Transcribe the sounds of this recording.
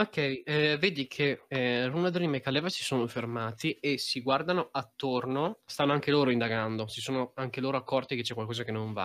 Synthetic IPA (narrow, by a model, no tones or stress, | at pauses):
okːɛjveːd̪ikʰerunad̪olimekːalɛːvasi̥soːnofermaːt̪iesiɡward̪anoat̪ːornost̪anːoaŋkeloːɾoind̪aɡand̪osisoːnoaŋkeloːɾoakːɔrt̪iket͡ʃːɛkwalkɔːzakenːõɱva̰